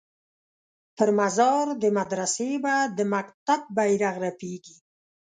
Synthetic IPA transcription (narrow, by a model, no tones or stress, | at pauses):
pəɾmazɑɾd̪əmad̪ɾasebad̪əmakt̪ab̚ːajɾaɣɾapeɡi